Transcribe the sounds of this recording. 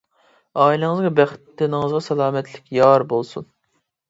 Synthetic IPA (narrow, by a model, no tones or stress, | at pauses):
ɑːilˠɨŋɨzʁɑbɛχɪt̪ːɪnɪŋɨzʁɑsɛlˠɑːmɛt̪lɪkʲjɑɾbolˠsun